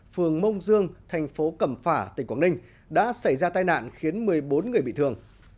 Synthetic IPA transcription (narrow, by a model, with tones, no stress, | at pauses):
fɨ˨˩əŋmə˧wŋ͡mzɨ˧əŋt̪ʰɛ˨˩jŋ̟fo˨˦kə˧˩mfaː˧˩t̪ï˨˩ŋkwaː˧˩nï˧ŋ̟ | ɗa̰ː˧˥sa˧˩jzaː˧t̪aː˧jna̰ː˧˨nxi˨˦ənmɨ˨˩əjɓo˨˦nŋɨ˨˩əjɓḭ˧˨t̪ɨ˨˩əŋ